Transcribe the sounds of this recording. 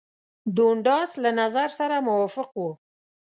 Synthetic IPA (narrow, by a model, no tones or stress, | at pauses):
d̪oɳɖɑslanazaɾsaɾamʊwɑfɪqwu